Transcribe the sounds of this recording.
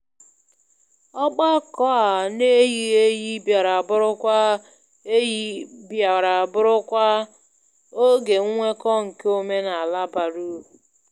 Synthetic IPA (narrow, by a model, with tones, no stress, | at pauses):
ɔ˦k͡pa˦kɔ˦a˨ne˦ɣi˦ɣe˦ji˦bja˨ɾa˨a˨bʊ˦ɾʊ˦kʷa˦ | e˦ji˦bja˨ɾa˨a˨bʊ˦ɾʊ˦kʷa˦ | o˦ɡe˨ŋ̩˦ŋʷe˦kɔ˦ŋ̩˨ke˦o˦me˦na˨a˨la˦ba˨ɾu˦˨